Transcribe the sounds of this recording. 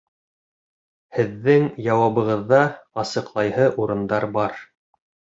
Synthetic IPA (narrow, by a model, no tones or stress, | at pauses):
hɘ̆ðːɘŋjɑwɑβɤ̆ʁɤ̆ðːɑɑsɤ̆qlˠɑjhɤʔuɾɤ̆nd̪ɑɾbɑɾ